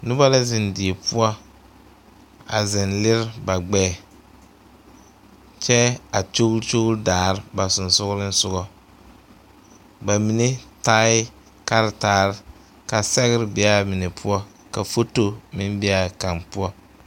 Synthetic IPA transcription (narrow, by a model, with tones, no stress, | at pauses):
nʊ˦ba˦la˦zɪ˨ndi˨e˨pu˦ɔ˦ | a̰˨zɪ˨nlɪ˦ɾba˨ɡ͡bɛː˦˨ | t͡ʃɛ˦a˨t͡ʃo˦t͡ʃo˦ɾdaː˨ɾɪ˦ba˨sʊ˨n˨sʊ˦ɣlɪ˦n˦sʊ˦ɡɔ˦ | ba˨mi˨ne˦taː˦ɪ˦ | ka˦ɾtaː˦ɾɪ˦ | ka˨sɛ˦ɣɪ˦ɾbi˨a˦mɪ˨ne˨pʰu˦ɔ˦ | ka˨fo˦to˦mɪ˦m˦bi˦a˨ka˨npu˦ɔ˦